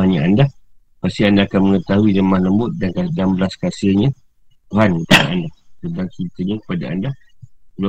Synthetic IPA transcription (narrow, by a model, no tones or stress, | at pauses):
aɲaanda | past̪iandaːkanməŋət̪aɦuiləmahləmbʊt̪̚dankadambəlaskasəɲa | t̪uɦankət̪adaʔandasədaŋkit̪əɲakə̥padaandaəla